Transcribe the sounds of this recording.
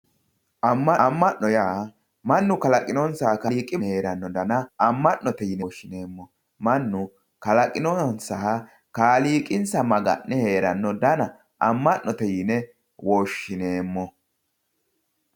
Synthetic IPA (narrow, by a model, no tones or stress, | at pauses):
ʔɐmːɐmːɐnːɔjaː | mɐnːʊkɐlɐkʼɪnɔnsɐhkɐliːkʼɪhe̞ːɾɐnːɔd̪ɐnɐɐmːɐnːɔt̪ɛjɪnɛʃːɪne̞ːmːɔ | mɐnːʊ | kɐlɐkʼɪnɔnsɐɐ | kaːliːkʼɪnsɐmɐɡɐ̰nːɛhe̞ːɾɐnːɔd̪ɐnɐ | ʔɐmːɐnːɔt̪ɛjɪnɛ | wɔːʃːɪne̞ːmːɔ